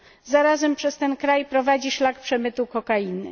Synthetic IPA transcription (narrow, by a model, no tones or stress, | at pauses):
zaɾazɛmpʂɛst̪ɛnkɾajpɾɔvad͡ʑiʂlakpʂɛmɘt̪ukɔkajinɘ